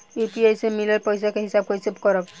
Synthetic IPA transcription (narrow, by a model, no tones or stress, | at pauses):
upiajsemileɾpɔjsakeɦisab̚kɔisebkɔɾɔk̚